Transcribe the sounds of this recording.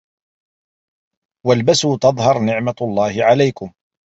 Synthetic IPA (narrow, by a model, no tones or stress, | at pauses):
walbasuːt̪ɑðˤhɑɾˤnɪʕmalˤːɑːhɪʕalajkʊm